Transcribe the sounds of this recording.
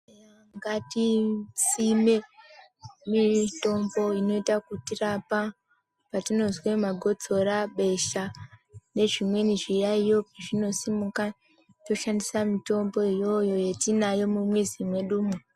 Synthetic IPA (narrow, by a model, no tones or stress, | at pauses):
ŋɡatisime | mito̞mbo̞ino̞itakutirapa | patino̞zwemaɡʱo̞t͡so̞ɾaɓe̞ʃane̞ʐimwe̞niʐiraijo̞piʐino̞simuka | to̞ʃandisamito̞mbo̞ijo̞jo̞je̞tinajo̞mumwed͡zimweɗuːmu